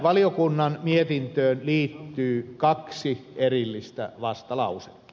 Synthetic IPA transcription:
ʋɑlijokunːɑnmiet̪int̪øːnliːt̪ːyːkɑksierilːist̪æ̰ʋɑst̪ɑlɑ̰use̥kːi̥

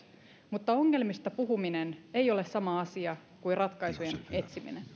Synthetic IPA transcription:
mut̪ːɑo̞ŋːe̞lmist̪ɑpuɦuminenejo̞le̞ssɑmɑɑsiɑ | kuirɑt̪kɑjsujene̞t̪simḭnen

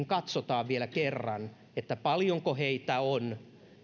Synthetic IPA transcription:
ŋkɑt̪sot̪ɑːʋʋielækerːɑn | et̪ːæpɑljoŋkoheit̪æon

